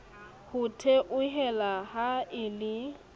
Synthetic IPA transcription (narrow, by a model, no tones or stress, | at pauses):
hʊtʰeʔʊɦɛlaɦaɪlɪ